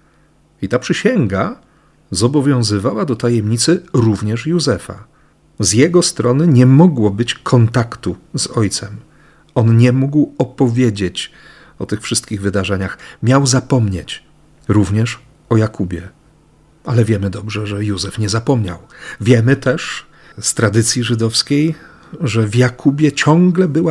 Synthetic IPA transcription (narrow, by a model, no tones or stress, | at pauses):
it̪apʂɘɕɛŋɡa | zɔbɔvʲjɔ̃w̃zɘvawad̪ɔt̪ajɛmɲit̪sɘɾuvɲɛʂjuzɛfa̰ | zjɛɡɔst̪ɾɔnɘɲɛmɔɡwɔbɘt͡ɕkʰɔnt̪akt̪uzɔjt̪sɛm | ɔnɲɛmuɡwɔpɔvʲjed͡ʑet͡ɕ | ɔt̪ɘxfʂɘst̪kʲiɣvɘd̪aʐɛɲaxmʲjawzapɔmɲet͡ɕ | ɾuvɲɛʂ | ɔjakubʲjɛ | alɛvʲjɛmɘd̪ɔbʐɛʐɛjuzɛfɲɛzapɔmɲa̰wvʲjɛmɘt̪ɛʂ | st̪ɾad̪ɘt̪sʲjiʐɘd̪ɔfskʲej | ʐɛvjakʰubʲjɛt͡ɕɔŋɡlɛbɘwa